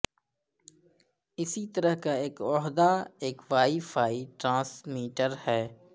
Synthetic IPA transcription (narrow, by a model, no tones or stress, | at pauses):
ɪsit̪əɾəɦkaeːkɔːɦd̪aeːkʋaːifʰaːiʈɾãːsmiːʈəɾhɛː